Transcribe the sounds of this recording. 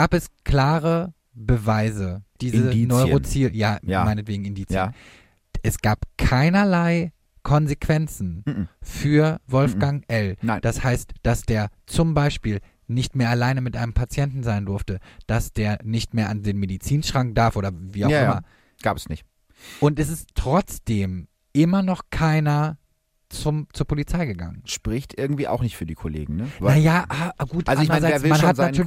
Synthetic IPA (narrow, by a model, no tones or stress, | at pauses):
ɡ̥aːpɛskʰl̥aːʁə | bəvaɪzəd̥iːzənɔʏʁot͡siːljaːjmaɪnətv̥eːɡŋ̩ɪndiːt͡sən | ʔɛsɡ̥aːpkʰaɪnɐlaɪ | kʰɔnzekv̥ɛnt͡sn̩fyːɐvɔlfɡ̥aŋʔɛld̥ashaɪstd̥asd̥eːɐt͡sʊmbaɪʃpiːl | nɪçtmeːɐʔalaɪnəmɪtʔaɪnəmpʰat͡sjɛntn̩zaɪndʊɐftəd̥asd̥eːɐnɪçtmeːɐʔandeːnmedit͡siːnʃʁ̥aŋk̚d̥aɐfʔoːdɐviːaʊʔɪmɐ | ɡ̥aːpəsnɪçt | ʔʊntɛs̬ɪsttʁ̥ɔt͡sd̥eːm | ʔɪmɐnɔχkʰaɪnɐ | t͡sʊmt͡suːɐpʰolit͡saɪɡəɡa̰ŋənʃpʁ̥ɪçtʔɪɐɡŋ̩tv̥iːʔa̰ʊxnɪçtfyːɐdiːkʰolḛːɡŋ̩nənajaːʔaɡuːtʔalzandəʁzaɪːɐvmanhanayɐ